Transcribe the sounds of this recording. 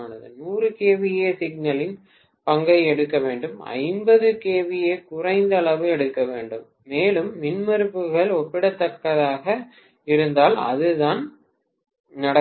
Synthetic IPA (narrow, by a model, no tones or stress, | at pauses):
nɐðɯ̰nuːrɯkeːʋɪjeːsɪɡ̚nɐlɪn | pɐŋɡɐɪɛɽɯkːɐʋeːɳɖɯmɐ̰ɪmbɐðɯkeːʋɪjeːkʊrɐɪnd̪ɐɭɐʋɯɛɽɯkːɐʋeːɳɖɯmːeːlɯmʋɪnmɐɾɯpːɯɣɐɭɔpːɪɽɐt̪ːɐkːɐðaːɣɐ | ɪɾɯnd̪aːlɐ̰ðɯðaːn | nɐɽɐ